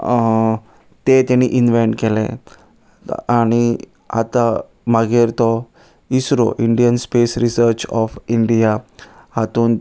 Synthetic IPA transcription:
t̪et̪ẽñiʔinʋeɳʈkelḛ | aɽ̃i | a̰t̪a | maɡeɾt̪ɔ | isɾo̰ʔiɳɖijənspesɾisəɾt͡ɕɔfiɳɖija | hat̪uːn

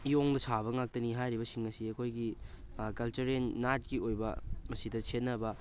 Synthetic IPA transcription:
ioŋdɐsʰaβɐŋak̚tɐniɦajɾiβɐsiŋɐsiɐkʰojɡi | kɐlt͡ʃɐɾenːat̚kiojbɐ̰mɐsidɐsenːɐbɐ

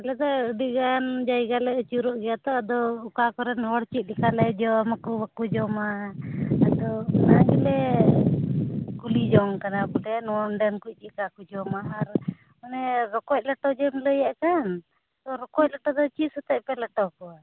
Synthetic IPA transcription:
lɛd̪ɔɖiɡand͡ʒajɡalɛt͡ʃuɾɔʔɡɛjat̪ɔad̪ɔukakɔɾɛnɔɽt͡ʃit̪̚likalɛd͡ʒɔmakubakud͡ʒɔmaː | d̪ɔnaɡilɛ | kulid͡ʒɔŋkanabulɛnɔɔnɖɛnkuc̚ɗikakud͡ʒɔmaaɾ | manɛɾɔkɔc̪̚ləʈɔd͡ʒɔmləjaʔkan | t̪ɔɾɔkɔc̚ləʈɔd̪ɔt͡ʃisɛt̪ɛʔpɛləʈɔkɔa

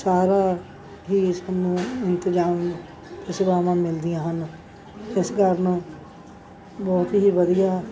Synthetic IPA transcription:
saːɾa | ɦiːsəmnũːɪ̃nt̪ɪzaːm | ɪsɪbaːmãːmɪld̪ijãːɦən | ɪsɡəɾn | bɔːt̪ɦiʋəd̪ijaː

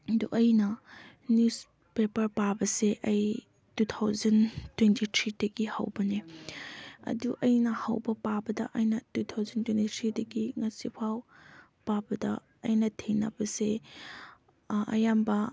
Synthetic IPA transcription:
duʔɐjnɐ | njus | pepɐɾpabɐseʔɐj | tutʰawzɐntwentit̪ʰɾidɐɡihɐ̰wbɐne | ɐ̰duʔɐjnɐhɐ̰wbɐpabɐdɐ̰ʔɐjnɐtut̪ʰawzɐntwentit̪ʰɾidɐɡiŋɐsipʰaw | pabɐdɐ̰ | ɐjnɐtʰenɐ̰bɐse | ɐ̰jambɐ

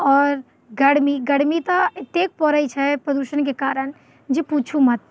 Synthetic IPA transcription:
ɔːɾ | ɡɐɽmiɡɐɽmit̪ɐt̪eːk̚pɔɾəit͡ʃʰɛpɾəd̪uːʃənkekaːɾən | d͡ʒipuːt͡ʃʰumɐt̪̚

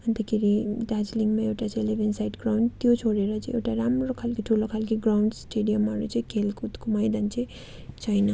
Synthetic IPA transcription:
ənt̪əkiɾiɖad͡ʒliŋɡmeewʈat͡ʃʰeleʋensajʈɡɾawɳɖt̪jot͡ʃʰoɽeɾʌt͡ʃʰieʈaɾamɾokʰalkiʈʰulokʰalkiɡɾawɳɖsʈeɖijəmːaɾut͡ʃʰikʰelkut̪kumajd̪ant͡ʃʰe | t͡ʃʰajna

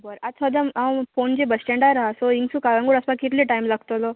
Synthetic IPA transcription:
bəɾasʰɔd̪amawfond͡ʑebəsʈẽɳɖaɾaɦasoiŋɡsũkalãŋɡuɽəspãkit̪liʈaimlaɡt̪olɔ

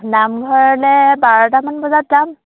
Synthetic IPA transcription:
namɡʱɔɹɛlɛbaɹɔtamanbɔzatzam

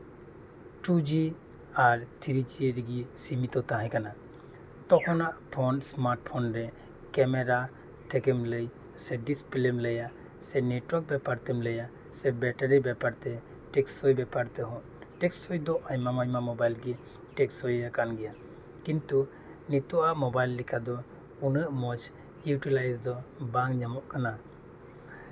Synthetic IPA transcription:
ʈud͡ʒi | aɾt̪ʰiɾid͡ʒiɾiɡisimit̪ɔt̪aɦɛ̃kana | t̪ɔkʰɔnaʔpʰɔnsmaɾʈ̚pʰɔnɾɛ | kɛmɛɾa | t̪ʰɛkɛmləj | sɛɖispilemləja | sɛneʈwɔɾk̚bɛpaɾt̪ɛmləja | sɛbɛʈaɾibɛpaɾt̪ɛ | ʈɛksɔjbɛpaɾt̪ɛɦɔ̃ʔ | ʈɛksɔjd̪ɔʔaɲmamaɲmamɔbajlɡɛ | ʈɛksɔjjakanɡɛja | kint̪u | nit̪ɔʔaʔmɔbajlːikʰad̪ɔ | unəʔmɔd͡ʒ | juʈilajsd̪ɔbaŋɲamɔʔkana

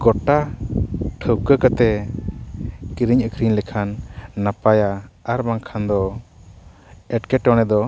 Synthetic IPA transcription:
ɡɔʈa | ʈʰəwkəkət̪ɛ | kiɾiɲəkʰɾiɲlɛkʰanːapajaaɾbaŋkʰand̪ɔ | ɛʈkɛʈɔ̃nɛd̪ɔ

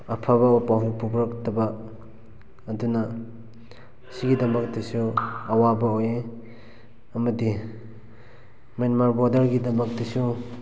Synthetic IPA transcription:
ɐpʰaβɐpaɦupubɾɐk̚tɐba | duna | siɡidɐmɐk̚tɐsuɐwabɐoje | ɐmɐdi | menmaɾbɔdɐɾɡidɐmɐk̚disu

